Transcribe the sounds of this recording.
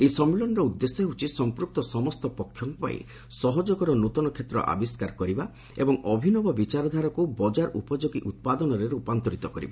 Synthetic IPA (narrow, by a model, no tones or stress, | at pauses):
ejsɔmelɔnɔɾɔud̪ːeseeut͡ʃʰisɔmpɾuk̚t̪ɔsɔmɔst̪ɔpɔkʰjɔŋkɔpa̰ḭ | sɔɦɔd͡ʒɔɡɔɾɔnut̪ɔnɔkʰet̪ɾɔ̰ʔa̰biskaɾkɔɾiba | ḛbɔŋɔbʱinɔbɔbit͡ʃaɾɔd̪ʱaɾɔkubɔd͡ʒaɾʔṵpɔd͡ʒoɡiʔut̪̚pad̪ɔnɔɾeɾupant̪ɔɾit̪ɔkɔɾḭba